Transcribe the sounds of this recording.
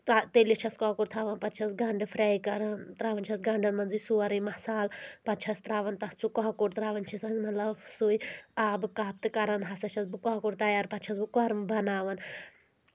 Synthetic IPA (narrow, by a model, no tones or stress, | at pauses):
t̪at̪elit͡ʃʰɐskɔːkuʈt̪ʰaːʋɐnpɐt̪̚t͡ʃʰɐsɡɐɳɖɨfʰɾɛːikɐɾɐnt̪ɾaːʋɐnʲt͡ʃʰɐsɡɐɳɖɐnmɐnzujsuɐɾɐjmɐsaːlpɐt̪̚t͡ʃʰɐst̪ɾaːʋɐnt̪ɐt͡sukɔɦkuɽt̪ɾaːʋɐnt͡ʃʰisɐzmɐt̪lɐbsuiaːbɨkaːp̚t̪ɨkɐɾɐnɦɐsɐt͡ʃʰɐsbukɔkuɽt̪ɐjaːɾpɐt̪̚t͡ʃʰɐsbukɐɾmbɐnaːʋɐn